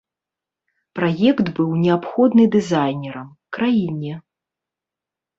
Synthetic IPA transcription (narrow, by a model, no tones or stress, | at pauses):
pɾajɛkt̪bɨwnʲɛapxɔd̪nɨd̪ɨzajnʲɛɾɐm | kɾajinʲɛ